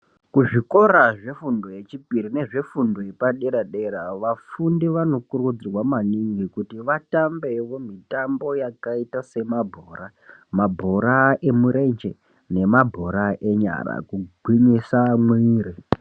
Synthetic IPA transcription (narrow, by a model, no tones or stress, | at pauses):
kuʐiko̞ɾaʐe̞fundoje̞t͡ʃipirine̞ʐe̞fundo̞epaɗeɾaɗe̞ɾaʋafundiʋano̞kurud͡zirwamaniŋɡikutiʋatambe̞ʋo̞mitambo̞jakaitase̞mabʱo̞ːɾa | mabʱo̞ɾae̞muɾe̞nd͡ʒe | ne̞mabʱo̞ɾaʔe̞ɲa̰ɾa̰kuɡʱwiɲisamwiːɾi